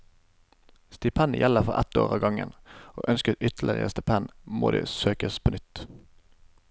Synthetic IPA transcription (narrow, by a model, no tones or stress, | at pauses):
st̪ɪpʰɛnjʔɛləfɔʁʔɛt̪o̰ːʁɑːɡɑŋə̰noːʔœnskətʏt̪l̩ɪʁəəst̪ɪpʰɛnmoːd̪ḛːsøːkəspʰoːnʏt̪